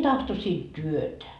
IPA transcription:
tɑhtosiː tyøtæ

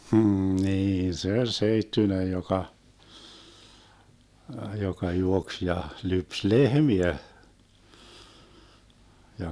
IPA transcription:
hm̩ niː se olʲ seitːynej jokɑ jokɑ juoks jɑ lyps lehmiæ jɑ

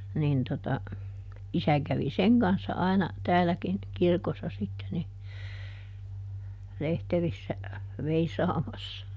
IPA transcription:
nin totɑ isæ kæʋi seŋ kɑnsːɑ ɑi̯nɑ tæːlækin kirkosːɑ sitːe ni lehterisːæ ʋeisɑːmɑsːɑ

